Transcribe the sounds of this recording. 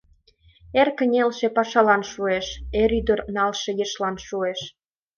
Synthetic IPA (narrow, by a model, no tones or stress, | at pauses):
erkə̆nʲelʃepɑʃɑlɑnʃueʃeɾyd̪ərnɑlʃĕjeʃlɑnʃueʃ